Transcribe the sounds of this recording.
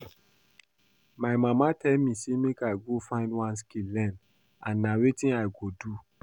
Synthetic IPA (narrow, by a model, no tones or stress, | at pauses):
maɪmamatʰɛlmĩsemekaɪɡofãɪ̃ndwãnskillɛ̃n | ãnːawitĩnaɪɡodu